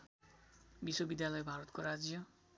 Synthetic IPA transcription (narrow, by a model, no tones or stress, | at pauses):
biswobid̪jalʌjbʱaɾʌt̪koɾad͡zjʌ